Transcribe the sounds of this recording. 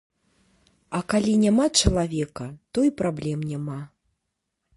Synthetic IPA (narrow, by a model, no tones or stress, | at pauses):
ɐkalʲinʲamat͡ʂɐlˠavʲɛkɐt̪ɔipɾablʲɛmnʲama